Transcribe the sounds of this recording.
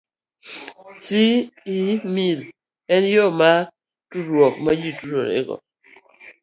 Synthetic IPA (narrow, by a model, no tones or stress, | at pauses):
t͡ʃiimil | ɛnjoma | tuɾwɔk̚majituɾoɾḛɡɔ̰